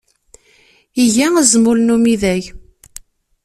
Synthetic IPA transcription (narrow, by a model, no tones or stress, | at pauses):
iʝæəzmʊlnumiðæʝ